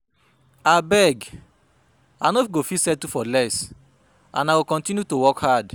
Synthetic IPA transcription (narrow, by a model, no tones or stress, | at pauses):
abɛɡ | anɔfɡofisɛtufɔlɛs | ã̰naɡokɔ̃ntĩnjutowɔkhad